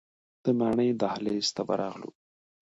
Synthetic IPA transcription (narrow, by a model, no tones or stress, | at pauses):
d̪̥əmaɳəjd̪ahlest̪aba̰ɾɑɣlṵ